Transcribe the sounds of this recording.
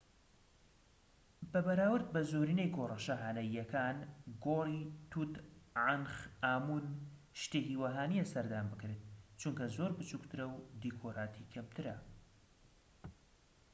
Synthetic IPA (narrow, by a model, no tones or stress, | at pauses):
bɐbɐɾaːwɨɾd̪̚bɐzoɾiːnejɡorɐʃaɦaːnɐjɐkʰaːnɡorit̪ʰut̪ʕanxaːmun | ʃt̪ehiːwaɦaːnijɛsɐɾd̪aːnbɨkɾet̪̚t͡ʃuŋkɐzoɾbɨt͡ʃukt̪ʰɨɾɐwd̪ikʰoːɾaːt̪ʰikʰɐmt̪ʰɨɾɐ